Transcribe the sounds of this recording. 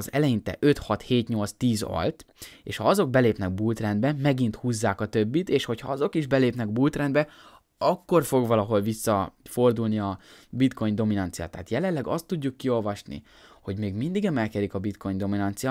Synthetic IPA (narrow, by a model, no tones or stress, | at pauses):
zɛlɛjint̪ɛ̰ʔø̞t̪hɒt̪heːt̪ɲo̞lt̪st̪iːzɒ̰lt̪eːʃhɒɒzo̞ɡ̚bɛleːpnɛɡ̚buːlt̪rɛnd̪bɛmɛɡint̪huːzːaːkɒt̪ø̞bːit̪eːʃho̞chɒ̰ɒzo̞kiʒbɛleːpnɛɡbult̪rɛnd̪bɛ | ɒkːo̞rfo̞ɡvɒlɒɦo̞lvisːɒfo̞rd̪ulniɒbit̪ko̞jɲd̪o̞minɒnt̪sija̰ːt̪ːɛɦːt̪jɛlɛlːɛɡɒst̪ːuɟːukːio̞lvɒʃnḭ | ho̞ɟmeːɡmind̪iɡɛmɛlkɛɾikɒbit̪ko̞jɲd̪o̞minɒnt̪sija